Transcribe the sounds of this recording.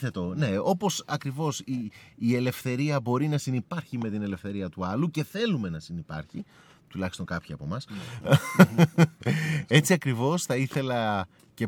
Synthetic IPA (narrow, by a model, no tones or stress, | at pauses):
θet̪one̞o̞po̞sɐkɾivo̞siːe̞le̞fθe̞ɾiɐbo̞ɾinɐsinipɐɾçime̞t̪ine̞le̞fθe̞ɾiɐt̪uɐluce̞θe̞lume̞nɐsinipɐ̰ɾçi | t̪ulɐçi̥st̪o̞ŋkɐpçiɐ̰po̞̰mɐs | e̞t͡siɐkɾivo̞sθɐiθe̞lɐ | ce̞